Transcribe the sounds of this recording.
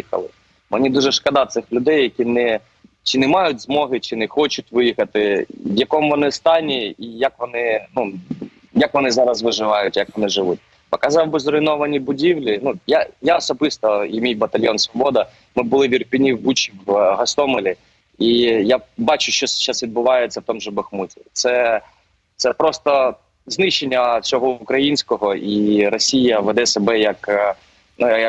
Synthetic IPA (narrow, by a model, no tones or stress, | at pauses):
ikɐ̰lˠɪ̰ | menʲid̪uʒɛʃkɐd̪ɑt̪sɪxlʲʊd̪ɛjːɐkʲinɛ | t͡ʃɪnɛmɑjʊt̚ʲzmɔɦɪt͡ʃɪnɛxɔt͡ʃʊtʲʋɪjixɐt̪ɪʋjɐkɔmʋɔnɪst̪ɑnʲiijɐkʋɔnɪnu | jɐkʋɔnɪzɑɾɐsʋɪʒɪʋɑjʊtʲjɐkʋɔnɪʒɪʋut̚ʲ | pɔkɐzɑwbɪzɾɔɪnɔʋɐnʲibʊdʲiwlʲinujajaɔsɔbɪst̪ɔimʲijbɐt̪ɐlʲjɔnsʋɔbɔd̪ɐ | mɪbʊlˠɪʋʲirpʲinʲiwbut͡ʃiɦɐst̪ɔmɔlʲi | ijabɑt͡ʃʊʃt͡ʃɔst͡ʃːasʋʲid̪̚bʊʋɑjett͡sʲɐwt̪ɔmʒɛbɐxmutʲit̪sɛ | t̪sɛpɾɔst̪ɔ | znɪʃenʲːɐt͡sʲɔɦɔukɾɐjinʲsʲkɔɦɔʔiɾɔsʲijɐʋɛd̪ɛsebɛjɐk | nujjɐk